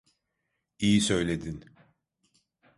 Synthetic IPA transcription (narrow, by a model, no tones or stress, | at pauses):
ijisø̞jlʲe̞d̪in